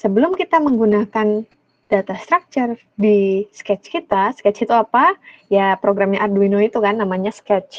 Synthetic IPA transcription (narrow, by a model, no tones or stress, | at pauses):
səbəlʊmkit̪aməŋɡunakan | d̥at̪ast̪ɾak̚t͡ʃər | diskɛt͡ʃkit̪askɛt͡ʃit̪uapajapɾoɡɾamɲaʔarduinoit̪ukanːamaɲaskɛt͡ʃ